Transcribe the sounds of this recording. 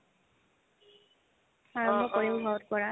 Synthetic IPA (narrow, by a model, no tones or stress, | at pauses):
aɹɔmbʱɔpoɹibɔbʱɔɔtkɔɹa